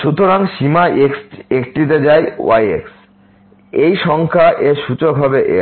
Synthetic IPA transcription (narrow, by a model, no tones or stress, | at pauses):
ʃut̪ʰoɾaŋʃimaeksekʈit̪̬ed͡ʑaewajḛks | ejʃɔŋkʰaʔeʃut͡ɕokɦɔbeʔe